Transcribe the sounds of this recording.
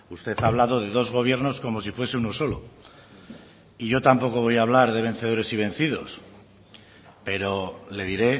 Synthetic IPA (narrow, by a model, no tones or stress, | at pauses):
ust̪e̞θaːβ̞laðo̞ð̞e̞ðo̞zɣo̞β̞je̞ɾno̞sko̞mo̞sifwe̞seuno̞so̞lo̞̰ | iʝo̞t̪ampo̞ko̞βo̞jaːβ̞laɾðe̞β̞ẽ̞n̟θe̞ð̞o̞ɾe̞siβ̞e̞nθiðo̞̰s | pe̞ɾo̞le̞ðiɾe̞